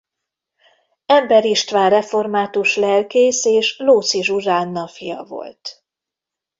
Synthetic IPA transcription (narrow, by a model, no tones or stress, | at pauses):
ɛmbɛɾiʃt̪ʋaːrrɛfo̞rmaːt̪uʃlɛlkeːseːʃloːt̪siʒuʒaːnːɒfijɒ̰vo̞̰lt̪